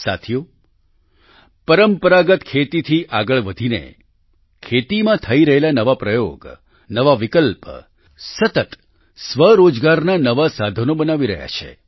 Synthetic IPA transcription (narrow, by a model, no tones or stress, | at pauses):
sa̰t̪ʰijo | pəɾəmpəɾaɡət̪kʰet̪it̪ʰiʔaɡəɭʋəd̪ʱinḛ | kʰet̪imãt̪ʰəiɾəɦelanəʋapɾəjo̰ɡ | nəʋaʋikəlp | sət̪ət̪ | sʋəɾod͡ʒɡaɾnanəʋasad̪ʱənobənaʋiɾə̰ɦja̰t͡ʃʰḛ